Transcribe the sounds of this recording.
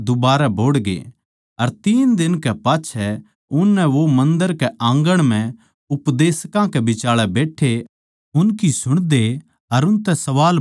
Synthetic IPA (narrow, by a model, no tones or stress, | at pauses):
d̪ʊbaːɾɛbʱoːɽɡḛ | ɐɾt̪iːnd̪ɪnkɛpaːt͡ʃʰɛ | ʊnːɛʋomɐ̃nd̪əɾkɛʔãːŋɡəɽ̃mɛ̃ | ʊpd̪eːskãkɛbɪt͡ʃaːɭɛbeːʈʰe | ʊnkisʊɽ̃d̪e | ɐɾʊnt̪ɛsɐʋaːl